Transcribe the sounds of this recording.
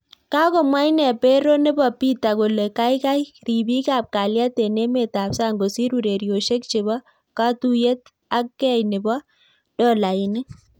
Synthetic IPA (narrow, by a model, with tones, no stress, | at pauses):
ka˦kɔ˨mwa˦jnɛ˨pɛ˦ɾo˦nɪ˦bɔ˨pi˦t̪a˨ɡo˨le˨ka˦jka˦jɾi˨bi˦ka˨p̚ka˨lja˦t̪e˨ne˦me˨ta˨psa˦ŋɡo˨si˦ɾu˨ɾe˨ɾjo˨ʃe˦kt͡ʃɪ˨bɔ˦ | ka˦tu˦je˦t̪ | a˦kːɛ˦jnɪ˨bɔ˦ | dɔ˦˨la˨ɪ˨nɪ˦